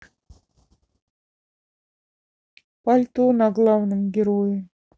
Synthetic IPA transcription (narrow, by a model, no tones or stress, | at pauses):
palʲt̪onɑɡlˠɑvnɨmɡʲɪɾojəm